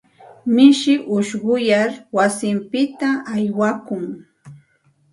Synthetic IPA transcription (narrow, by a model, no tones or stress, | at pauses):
mɪʃɪʔʊʃɢʊjaɾwasɪmpɪt̪aːjwakʊŋ